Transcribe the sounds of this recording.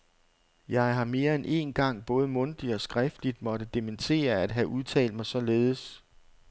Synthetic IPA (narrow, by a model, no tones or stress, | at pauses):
jɑ̈ɪɦɑ̈me̝ːɐenʔe̝̰ːnɡ̥ɑ̈ŋ̰b̥ɔ̽ːð̞ˠəmɔ̽nd̥iɒ̽sɡ̥ʁɛfd̥lid̥mɒ̽ɾəd̥ement͡sʰe̝̰ːɐæd̥ɦæʔuð̞ˠt͡sʰɛ̰ːld̥mɑ̈ɪsɒ̽le̝ːð̞̩ˠəs